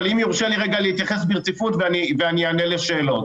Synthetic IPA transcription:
limjuʁʃeliʁeɡalehit̪jaχes̬biʁt͡sifutveaniveanianeleʃeːlo̞t

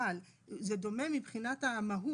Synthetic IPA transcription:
al | zed̪o̞me̞mibχinatamaɦu

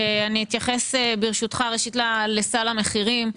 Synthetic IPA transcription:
eaniit̪jaχesebiʁʃut̪χaʁeʃit̪lalesalame̞χiʁim

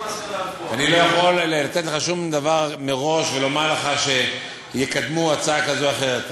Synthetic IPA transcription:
anilo̞jaχo̞llat̪e̞t̪leχaʃumd̪avaʁmeʁo̞ʃve̞lo̞maʁleχaʃe̞ | jekad̪muat͡saakazoaχe̞ʁet̪

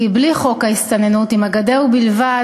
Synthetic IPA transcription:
ibliχo̞kaist̪anenut̪imaɡad̪eubilva

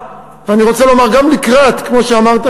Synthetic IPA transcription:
veaniʁo̞t͡salo̞maʁɡamlikʁat̪kmo̞ʃeamaʁt̪a

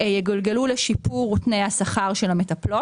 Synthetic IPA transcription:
jeɡolɡeluleʃipuʁutnejhasaχaʁʃelame̞tɐplo̞t

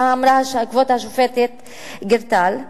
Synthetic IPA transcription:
aːmɾaakvot̪haʃufet̪et̪ | ɡeɾt̪al

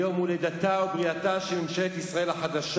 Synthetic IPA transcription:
omuled̪at̪aubʁiat̪aʃemimʃeet̪isʁae̞lhaħad̪aʃ

